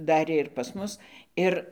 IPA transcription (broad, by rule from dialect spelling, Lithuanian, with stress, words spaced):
ˈdɑːrʲeː ɪr pɐs ˈmʊs ˈɪr